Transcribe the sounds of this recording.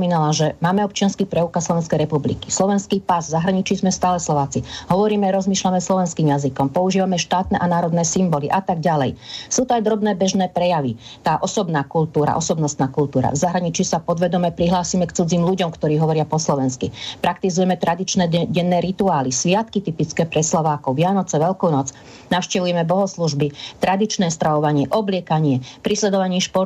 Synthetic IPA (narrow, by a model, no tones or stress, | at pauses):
ɔmiːnalaʒɛmaːmɛɔp̚t͡ʃɪanskipɾɛukaslɔʋɛnskɛjɾɛpublḭkislɔʋɛnskiːpazvzaɦɾaɲit͡ʃiːzmɛst̪aːlɛslɔʋaːt͡siɦɔʋɔɾiːmɛɾɔzmiːʃlamɛslɔʋɛnskiːmjazikɔmpɔuʒiːʋamɛʃt̪aːt̪nɛʔanaːɾɔd̪nɛːsimbɔliʔat̪aɡɟalɛjsuːt̪ɔajd̪ɾɔbnɛːbɛʒnɛːpɾɛjaʋit̪aːʔɔsɔbnaːkult̪uːɾa̰ʔɔsɔbnɔst̪naːkult̪uːɾa̰vzaɦɾaɲit͡ʃisapɔd̪ʋɛd̪ɔmɛpɾiɦlaːsiːmɛkt͡sud͡ziːmluɟɔmkt̪ɔɾiːɦɔʋɔɾɪapɔslɔʋɛnskipɾakt̪izujɛmɛt̪ɾad̪it͡ʃnɛɟɛnːɛːɾit̪uaːlisʋɪat̪kit̪ipit͡skɛːpɾɛslɔʋaːkɔʊʋɪanɔt͡sɛʋɛlkɔʊnɔt͡s | naʊʃcɛʋujɛmɛbɔɦɔsluʒbit̪ɾad̪it͡ʃnɛːst̪ɾaɔʋaɲɪɛʔɔblɪɛkaɲɪɛpɾislɛd̪ɔʋaɲiːʃpɔɾ